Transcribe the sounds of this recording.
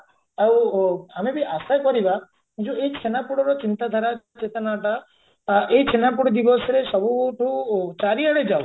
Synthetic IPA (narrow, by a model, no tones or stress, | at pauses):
awamebʱiʔasajkɔɾiba | d͡ʒueit͡ʃʰenapuɽɔɾɔt͡ʃint̪ad̪ʱaɾat͡ʃet̪ɔnaʈa | ʔeɦit͡ʃʰenapuɽɔd̪ibɔsɔɾesɔbuʈʰut͡ʃaɾiaɽed͡ʒa